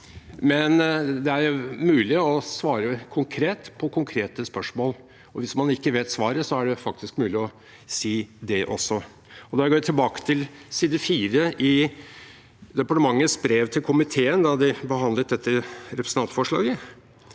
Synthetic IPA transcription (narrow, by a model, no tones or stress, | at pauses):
mɛnd̪ɛæɾmʉːlɪɔsʋɑːɾəkʰʊŋkʰɾeːt̪pʰɔkʰʊŋkʰɾeːt̪əspœʂmoːl | ɔʋɪsmɑnɪkːəʋeːt̪sʋɑːɾəsɔæɖɛfɑk̚t̪ɪskmʉːlɪɔ | siːd̪ɛʔɔsːɔ | ɔd̪ɑɾɡoːʋɪt̪ʰɪlbɑːkə̥t̪ʰɪlsiːd̪əfiːɾəʔɪ | d̪ɛpɑʈəmɑŋːəsbɾeːʋt̪ʰɪlkʰʊmɪt̪ʰeːənd̪ɑd̪ɪbəɦɑnd̪lət̪̚d̪ɛt̪ʰːəɾɛpɾsn̩ɑnt̪fɔʂɭɑ̰ːɡə